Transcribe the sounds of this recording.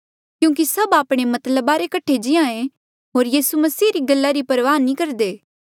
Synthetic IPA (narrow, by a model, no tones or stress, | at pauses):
kjũːk̬isɐbaːpɽ̃emɐt̪ləbaɾekɐʈʰːed͡ʒɪãːẽ | ɦoːɾjiːsumɐsiːɾiɡɐlːaɾipɐɾʋaːnĩkɐɾd̪eː